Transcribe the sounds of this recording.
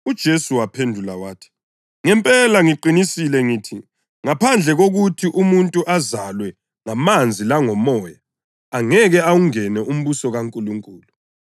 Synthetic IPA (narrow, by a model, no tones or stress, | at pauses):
ud̥ʒ̥ʱesuwapʰendʱulawaːtʰi̥ | ŋɛmpʼɛlaŋiǃinisilɛŋiːtʰi | ŋapʰand͡ɮʱɛɣoɣutʰiʔumuntʼuʔazalwɛ | ŋamand͡zʱilaŋɔmɔːjaː | aŋɛɣɛawuŋɛnɛʔum̩βusɔɣaŋkʼuluŋkʼuːlu